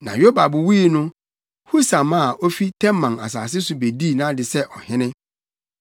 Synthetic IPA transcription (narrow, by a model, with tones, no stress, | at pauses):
nã̰˨jo˦ba˨bʊ˨wiː˦˨nʊ̃˦ | hu˦sã˨mã˦a˨ʔɔ˦fi˦tʰɛ̃˦mː˦ã˨na̰˨s̬aː˨s̬ɪ˦sʊ˨be˨di˦˨nã˦dɪ˨sɛ˦ʔɔ˨hɪ̃˦nɪ̃˦